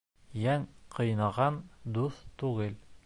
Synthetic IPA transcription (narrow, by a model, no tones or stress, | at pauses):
jæŋqʰɤ̆jnɑʁɑnd̪uθt̪ʉɡɘl